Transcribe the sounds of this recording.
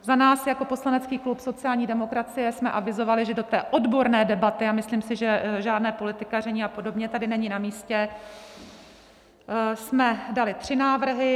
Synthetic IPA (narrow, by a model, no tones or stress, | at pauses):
zanaːsjako̞po̞slanɛt͡skiːklupso̞t͡sɪjaːlɲiːdɛmo̞kɾat͡sɪjɛsmɛʔavɪzo̞valɪʒɛdo̞t̪ɛːʔo̞dbo̞ɾnɛːdɛbat̪ɪamɪsliːmsɪʒɛʒaːdnɛːpo̞lɪt̪ɪkarɛɲiːapo̞do̞bɲɛt̪adɪnɛɲɪnamiːscɛ | smɛdalɪt̪r̥ɪnaːvr̩ɦɪ